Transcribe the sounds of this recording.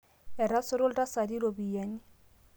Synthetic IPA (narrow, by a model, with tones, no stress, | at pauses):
ɛ˨ɾa˦sʊ˦ɾʊ˦lta˦sa˨di˦ɾo˨bi˨ja˨ɲi˦